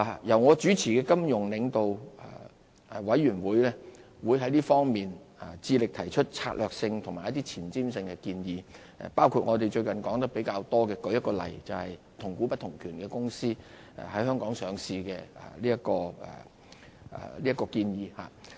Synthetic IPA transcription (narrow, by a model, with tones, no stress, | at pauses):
a˨jɐ˨˩wŋɔː˨˧t͡ʃyː˨˥t͡sʰiː˨˩kɛː˧kɐ˥mjʊ˨˩ŋlɪ˨˧ŋt̪o˨w | wɐ˨˥jːyː˨˩nwuː˨˥jlɛː˥ | wuː˨˧jɦɐ˨˥jliː˥fɔː˥ŋmiː˨n˨ | t͡siː˧lɪ˨k̚t̪ʰɐ˨˩jt͡ʃʰɵ˥t̚t͡sʰaː˧t̚lœː˨k̚sɪ˧ŋt̪ʰʊ˨˩ŋmaː˨˩jɐ˥t̪i˥t͡sʰiː˨˩nt͡siː˥msɪ˧ŋkɛ˧kiː˧njḭː˨˧˨ | paː˥wkʰu˧t̚ŋɔː˨˧t̪e˨jt͡ʃɵ˧ɥkɐ˨nkɔː˨˥ŋt̪ɐ˥k̚pe˨˥jkaː˧wt̪ɔː˥kɛː˧kɵ˨˥jɐ˥kːɔː˧lɐ̰˨˩jt͡sɐ˨whɐ˨j | t̪ʰʊ˨˩ŋkuː˨˥pɐ˥t̪ʰʊ˨˩ŋkʰyː˨˩nkɛ˧kʊ˥ŋsḭː˥˨˩ | hɐ˨˥jhœː˥ŋkɔː˨˥ŋsœː˨˧ŋsiː˧kɛ̰˧˨˩liː˥ɐ˥t̚kɔː˧ɛ̰˨˩˨ | liː˥ɐ˥kːɔː˧kiː˧njiː˨˧ha̰ː˨